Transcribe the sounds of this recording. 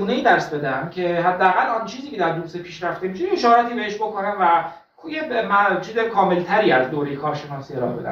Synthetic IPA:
uːnejiːd̪æɾsbe̞d̪æmcʰe̞ɦæd̪ːææɣælːɒnt͡ʃʰiːziːcʲʰeæɾd̪usepʰiːʃɾæft̪emiːʃejeʃɒːɾæt̪ʰiːbe̞heʃbo̞konæmvæ | jemæt͡ʃʰiːzekʰɒːme̞lt̪ʰæɾiːæzd̪oːɾejekʰɒːɾʃenɒːsieɾɒ̰be̞d̪æ̰m

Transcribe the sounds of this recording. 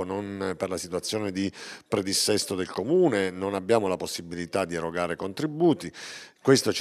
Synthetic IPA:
nonperlasit̪wat̪sːjoːned̪ipɾed̪isːɛst̪od̪elkomuːnenonabjaːmolaposːibilit̪ad̪ːieɾoɡaːɾekont̪ɾibuːt̪ikwest̪ot͡ʃ

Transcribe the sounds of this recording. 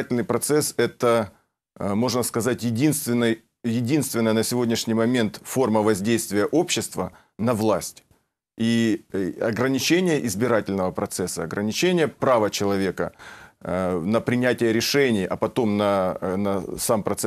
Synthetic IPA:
tʲɪlʲnɨjpɾɐt̪sɛsɛt̪ə | mo̞ʐnəskɐzatʲjɪdʲinst̪vʲɪnːɨj | jɪdʲin̪st̪vʲɪnːəjənəsʲɪvo̞dʲnʲɪʂnʲɪjmɐmʲe̞nt̪fo̞rməvɐzʲdʲejst̪vʲɪjəʔo̞pɕːɪst̪və | nɐvlˠasʲtʲ | i | ɐɡɾənʲɪt͡ɕenʲɪjəʔɪzbʲɪɾatʲɪlʲnəvəpɾɐt̪sɛsːəɐɡɾənʲɪt͡ɕenʲɪjəpɾavət͡ɕɪlˠɐvʲe̞kə̰ | nəpɾʲɪnʲætʲɪjəɾʲɪʂɛnʲɪjʔɐ̰pɐt̪o̞mnɐnɐsampɾɐt̪s

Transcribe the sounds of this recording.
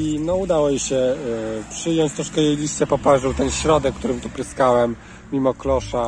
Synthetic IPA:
inɔud̪awɔjiɕɛpʂɘjɔɲt͡ɕt̪ɾɔʂkɛjejlʲist͡ɕɛpɔpaʒuwt̪ɛnɕɾɔd̪ɛkːt̪uɾɘmt̪upɾɘskawɛmːʲ | imɔklɔʂa

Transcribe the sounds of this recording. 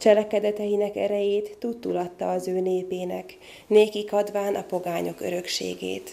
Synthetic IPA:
t͡ʃɛlɛkɛd̪ɛt̪ɛjinɛkɛ̰ɾɛjeːt̪ːut̪ːulɒt̪ːɒːzøːneːpeːnɛk | neːkikɒd̪ʋaːnʔɒpo̞ɡaːɲo̞køɾø̞kʃḛːɡḛːt̪

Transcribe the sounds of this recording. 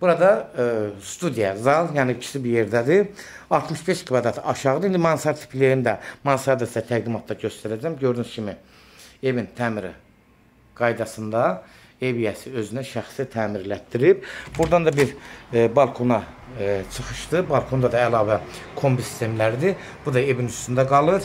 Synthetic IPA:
b̥uɾɑd̪ɑ | st̪ud̪ijɑzɑlˠjɑːnicʰi̥sibije̞ɾd̪æd̪i | ɑlˠt̪ʰmɯʃbeʃkʰvɑd̪ɑt̪ʰɑʃɑʁɯd̪ɯind̪imɑnsɑɾt̪ʰi̥pʰleɾind̪æmɑnsɑɾd̪æsd̪æt̪ʰæɡd̪imɑt̪ʰd̪ɑɟøst̪æɾæd͡ʒæmɟø̞ɾd̪ynyscʰimi | e̞vint̪ʰæːmiɾḭ | ɡ̥ɑjd̪ɑsɯnd̪ɑ | e̞vijæsiø̞zynæʃæxsit̪ʰæːmiɾlæt̪ːiɾib̥buɾd̪ɑnd̪ɑbiɾbɑlˠkʰo̞nɑt͡ʃʰɯχɯʃd̪ɯbɑlˠkʰo̞nd̪ɑd̪ɑælˠɑːvækʰo̞mbisi̥st̪ʰe̞mlæɾid̪i | b̥ud̪ɑe̞vinyst̪ynd̪æɡɑlˠɯɾ

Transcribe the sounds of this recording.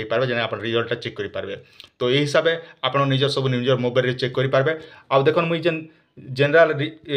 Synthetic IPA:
ipaɾbed͡ʒeñeapɔɽ̃ɾid͡ʒɔlʈat͡ʃekːɔɾipaɾbet̪ɔeɦisabeapɽ̃ɔnid͡ʒɔɾsɔbʱunĩd͡ʒɔɾmobajlɾet͡ʃekːɔɾipaɾbeawd̪ekʰɔnmũid͡ʒen | d͡ʒenɾalɾi

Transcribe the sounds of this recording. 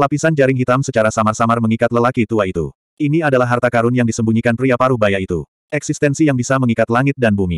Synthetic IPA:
lapisand͡ʒaɾɪŋɦit̪amsət͡ʃaɾasamarsamarməŋikat̪ləlakit̪uait̪ṵ | iniadalaɦːart̪akaɾʊnjaŋdisəmbuɲikanpɾiapaɾubajait̪u | ɛksist̪ɛnsijaŋbisaməŋikat̪laŋɪt̪̚danbumi

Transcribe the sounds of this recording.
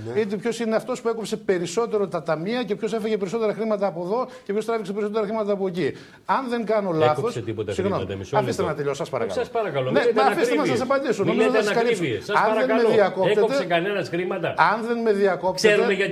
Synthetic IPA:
it̪̬epço̞sineɐft̪o̞spue̞ko̞pse̞pe̞ɾiso̞t̪e̞ɾo̞t̪ɐt̪ɐmiɐce̞pço̞s̬e̞fɐʝepeɾiso̞t̪e̞ɾɐxɾimɐt̪ɐːpo̞ðo̞cepçost̪ɾɐviksepe̞ɾisot̪eɾɐxɾimɐt̪ɐːpoeci | ɐnðe̞ŋɡɐnolɐθoset̪iot̪siɣno̞mmiɐɐfist̪enɐt̪eʎosɐspɐɾɐkɐlɐspɐɾɐkɐlomnemeɐfist̪mnɐsɐs̬ɐpɐnd̪isonomizoɐsɐskɐlissɐnɐɐemeðiɐko̞peeot̪seekɐnenɐsɾimɐt̪ɐɐnðe̞nme̞ðiɐko̞ptseeeeʝɐt̪

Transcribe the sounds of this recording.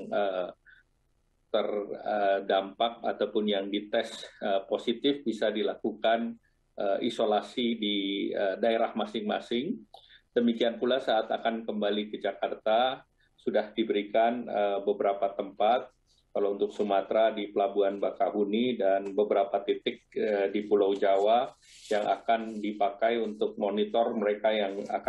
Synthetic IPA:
ŋə | t̪ərədampak̚at̪awpʊnjaŋdit̪ɛsəposit̪ɪfbisadilakukan | ʔəʔḭsolasidiədaeɾahmasɪŋmasɪŋd̥əmikianpulasaʔːt̪akankəmbalikəd͡ʒakart̪a | sudahdibəɾikanəbəbəɾapat̪əmpat̪̚ | kalaunt̪ʊksumat̪ɾadipəlabuanbakaɦunidanbəbəɾapat̪it̪ɪk̚ədipulawd͡ʒawa | jaŋa̰kandipakajunt̪ʊk̚monit̪ɔrməɾekajaŋa̰ka

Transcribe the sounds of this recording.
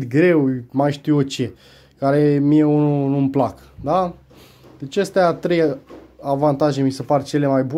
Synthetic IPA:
t̪ɡɾe̞wmajʃt̪iwot͡ʃe̞ | kaɾe̞mijeununumplak | d̪a | d̪e̞t͡ʃast̪eat̪ɾe̞javant̪aʒe̞misepart͡ʃe̞le̞majbu

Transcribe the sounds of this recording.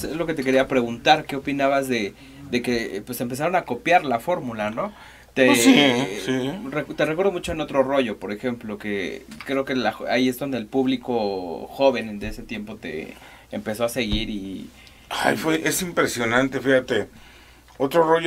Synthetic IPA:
sezlo̞ke̞t̪e̞ke̞ɾiapɾe̞ɣunt̪aɾke̞o̞pinaβazðe̞ | ðe̞ke̞pwesempe̞saɾo̞nako̞pjaɾlafo̞ɾmulano̞ | t̪esisirekt̪erekwe̞ɾð̞o̞mut͡ʃo̞eno̞t̪ɾo̞ro̞ʝo̞po̞ɾe̞xe̞mplo̞ke̞̰kɾe̞oke̞laxa̰ie̞zðo̞nd̪eːlpuβliko̞xo̞βe̞nd̪eese̞t̪je̞mpo̞t̪e̞̰ː | mpe̞so̞ase̞ɣiɾi | ajfwe̞ʔesimpɾesjo̞nãnt̪e̞fixat̪e | ot̪ɾoroʝo

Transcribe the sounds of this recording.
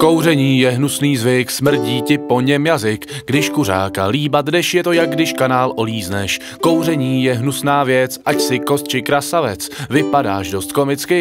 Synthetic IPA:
ko̞wr̝ɛɲiːjɛɦnusniːzvɪksmr̩ɟiːcɪpo̞ɲɛmjazɪkɡdɪʃkur̝a̰ːka̰liːbad̪dɛʃjɛt̪o̞jaɡ̚ɡdɪʃkanaːlʔo̞liːznɛ̰ʃ | ko̞wrɛɲiːjɛɦnusnaːvjɛt͡sʔacsɪko̞st̪̚t͡ʃɪkɾasavɛt͡svɪpada̰ːʃdo̞st̪ko̞mɪt͡skɪ

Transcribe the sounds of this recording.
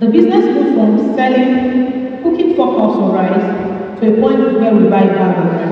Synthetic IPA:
dəbiznɛsputfɔ̃missɛlĩŋkukĩŋfɔkʰɔsɔ̃ɹaɪz | tʰuepʰɔ̃ɪ̃ntwɛwibaɪdabɔ

